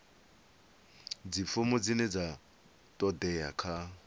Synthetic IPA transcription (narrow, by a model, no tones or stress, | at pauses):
d͡zifʊmʊd͡zinɛd͡za | tʼɔdɛjakʰa